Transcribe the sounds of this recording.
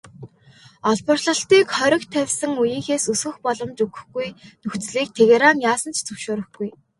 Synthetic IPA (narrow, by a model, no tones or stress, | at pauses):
ɔɮpə̆rɮə̆ɬt̪iːkχœɾʲɞ̆kt̪ʰːæwʲsə̆ŋujiːxeːsɵsɡɘ̆xpɔɮɞ̆mt͡ɕɵɣɵ̥̆xɡujnɵxt͡sɮiːk̚t̪ʰeɣeɾanjaːsə̆nt͡ɕʰt͡sɵwʃʊːɾɵ̆xɡuj